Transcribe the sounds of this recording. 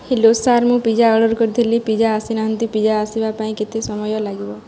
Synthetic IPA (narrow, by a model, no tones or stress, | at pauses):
hilosaɾmũpid͡ʒaɔɽɔɾkɔɾd̪ʰelipid͡ʒaːsinaɦənt̪ipid͡ʒaːsibapaĩket̪esɔmɔjɔlaɡibɔ